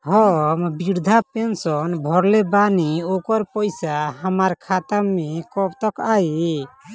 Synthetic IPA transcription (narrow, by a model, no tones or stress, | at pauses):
ɦɔmbiɾd̪ʱapensɔnbʱɔɾlebaniokɔɾpɔjsaɦamaɾkʰat̪amːekɔbt̪ɔkaji